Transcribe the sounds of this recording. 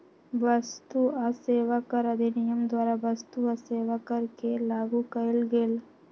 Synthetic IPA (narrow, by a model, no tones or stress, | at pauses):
ʋəst̪uaseːʋakəɾəd̪ʱinɪjəmd̪waːɾabɐst̪uaseːʋakəɾkelaːɡukəɪlɡeːl